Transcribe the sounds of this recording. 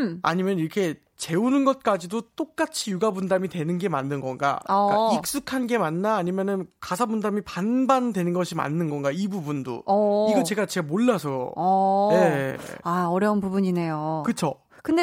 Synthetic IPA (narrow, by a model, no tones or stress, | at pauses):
a̰ɲimjʌniɾʌkʰe̞ | t͡ɕe̞unɯnɡʌt̚k͈ad͡ʑidot͈ok̚k͈at͡ɕʰijuɡabundamitwe̞nɯnɡe̞ma̰nːɯnɡʌnɡa̰k͈aik̚s͈ukʰanɡe̞manːaːɲimjʌnɯnkasʰabundamipanbandwe̞nɯnɡʌɕʰima̰nːɯnɡʌnɡaibubundo̰iɡʌt͡ɕe̞ɡat͡ɕeɡamoɭːasʰʌjne̞aʌɾjʌunpubuɲine̞jokɯt͡ɕʰo | kɯnde